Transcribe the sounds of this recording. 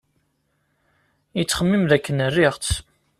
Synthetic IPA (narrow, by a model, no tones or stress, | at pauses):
jət͡sːχəmːimðækːənərːɪʁt͡s